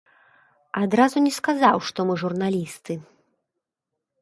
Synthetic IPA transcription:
ad̪ɾazunʲɛskazawʂt̪ɔmɨʐurnalʲist̪ɨ

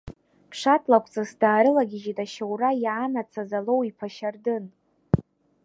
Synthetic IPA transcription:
pʰʂatʰlakʷʰʼt͡sʼasdaːɾɨlaɡʲɪʒitʼaʃawrajanat͡sʰazalo̞wipʰaʃardɨn

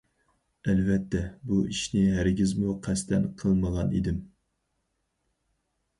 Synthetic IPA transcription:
ɛlvɛt̪ʰːɛbuʔiʃnɪɦæɾɪɡʲizmuqʰɛst̪ʰɛnqʰəlˠməʁɑnḭd̪ɪm

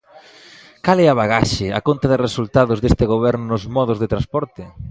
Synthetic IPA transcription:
kalɛaβaɣaʃɪa̰kont̪aðɪresult̪aðʊzðest̪ɪɣoβɛɾnʊnʊzmɔðʊzðɪt̪ɾanspɔɾt̪ɪ

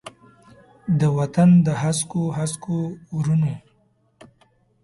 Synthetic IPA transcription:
d̪əwat̪and̪əɦaskoɦaskoɾune

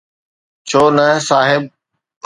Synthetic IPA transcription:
t͡ɕʰoːnɐsaːɦɪb

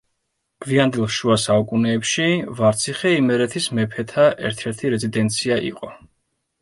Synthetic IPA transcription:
ɡ̥viand̪ilˠʃuasaukʼunɛːpʃivaɾt̪sʰiχɛimɛɾɛt̪ʰismɛpʰɛt̪ʰaʔɛ̰ɾt̪ʰɛɾt̪ʰiɾɛzid̪ɛnt̪sʰiaʔḭqʼɔ

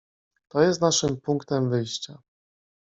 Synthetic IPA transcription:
t̪ɔjɛst̪naʂɘmpuŋkt̪ɛmvɘjɕt͡ɕa

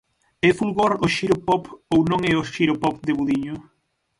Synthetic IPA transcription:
ɛfulɣoɾoʃiɾʊpɔpownõŋɛoʃiɾopɔpd̪eβuðiɲʊ

